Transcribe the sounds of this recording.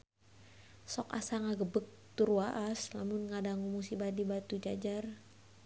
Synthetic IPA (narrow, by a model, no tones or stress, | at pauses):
sɔka̰saŋaɡəbək̚t̪uɾuwaʔasla̰mʊnŋadaŋumusibadibat̪ud͡ʒad͡ʒar